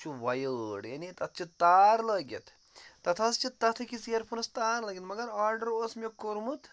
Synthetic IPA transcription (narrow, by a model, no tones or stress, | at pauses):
t͡ʃʰuʋɐjəːɽjɐnit̪ɐt̪̚ʰt͡ʃit̪aːɾlɐːɡʲjɐ̰t̪ | t̪ɐt̪ʰɐst͡ʃit̪ːɐt̪ʰɐkisijɐɾpʰunɐst̪aːɾlɐːɡʲɐt̪mɐɡɐɾaːɾɖɐɾoːsmekuɾmut̪